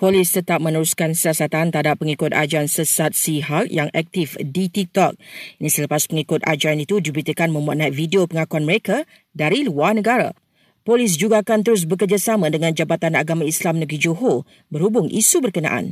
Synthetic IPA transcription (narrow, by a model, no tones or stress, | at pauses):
polɪst̪ət̪ap̚mə̃nəɾuskansiasat̪ant̪əɦadapːəŋikʊt̪̚a̰d͡ʒaansəsat̪̚siɦakjaŋʔɛk̚t̪ɪfdit̪ik̚t̪ɔk̚inĩsələpaspəŋikʊt̪a̰d͡ʒaanit̪udibəɾit̪əkanmə̃mbuat̪̚nat̪̚fidiopəŋakuanməɾeka | daɾiluarnə̃ɡaɾa̰ | polɪs̬d͡ʒuɡaːkant̪əɾʊs̬bəkərd͡ʒasamãdəŋãnd͡ʒabat̪anaɡamãislamnəɡɾid͡ʒoɦo | bərhubʊŋʔḭsubərkəna̰ʔa̰n